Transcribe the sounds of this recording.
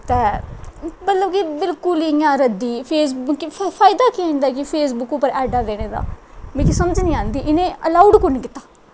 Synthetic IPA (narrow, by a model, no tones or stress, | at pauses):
t̪ɛː | mət̪ləbkɪbɪlkʊliãːɾəd̪iːpʰeːs̬bʊkpʰaːɪd̪aːkiãːĩnd̪aːkɪpʰeːs̬bʊkopəɾɛːɖaːd̪eːñeːd̪a̰ːmẽkisəməd͡ʒnĩːãːnd̪iːʔɪnẽːəlaːuɖkʊɾniːkɪt̪ːaː